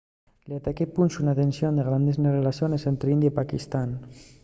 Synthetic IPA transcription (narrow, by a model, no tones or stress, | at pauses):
lat̪akepunʲʃunat̪ensjond̪eɣ̞ɾand̪eznerelasjonesent̪ɾeind̪jaipakist̪an